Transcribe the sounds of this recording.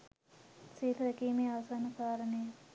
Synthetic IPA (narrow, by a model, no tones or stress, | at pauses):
siːlɐɾɐkiːmeɐʋɐsaːnɐkaːɾɐneː